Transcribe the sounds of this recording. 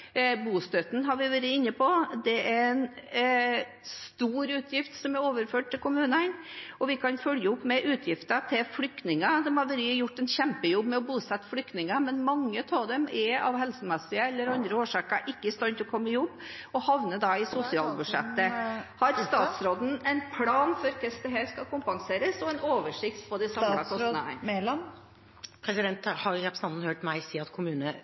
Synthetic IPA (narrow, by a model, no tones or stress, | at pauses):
buːst̪œt̪n̩ɦɑɾʋɪʋæːɾəɪnːəpʰɔd̪ɛæɾɛn | st̪uːɾʉːt̪ʰjɪft̪sɔmæɾoːʋəɾføːʈ̚t̪ɪlkʊmʉːnənɔʋɪkʰɑnfœljəʊpːmɛʔʉːt̪ʰjɪft̪ət̪ʰɪlflʏkt̪nɪŋəd̪ɛmhɑɾʋæɾɪjʊʈːɛnɕɛmpəjɔbːmɛɔbuːsɛt̪ːflʏkt̪nɪŋəmɛnmɑŋːət̪ʰoːd̪ɛmɛɑ̰ʋhɛlsəmɛsːɪəɛlːəɾɑnd̪ɾəoːʂɑːkəʔɪkːəɪst̪ɑnt̪ɔkʰɔmːəjɔbːɔhɑʋnəd̪ɑɪsʊsɪɑːlbʉʂɛt̪ːəhɑɾst̪ɑːt̪sɾoːd̪n̩ɛɪnpʰlɑːnfɔɾkʰɛst̪əɦæːɾskɑkʊmpɑŋseːɾəsɔɛnoːʋəʂɪkt̪pʰɔd̪ɪsɑmmɑkɔsnə̰n | pʰɾɛsɪd̪ɛnt̪hɑɾɾɛpɾsəɑnn̩høːʈmæɪsiːɑt̪kʰʊmʉːnə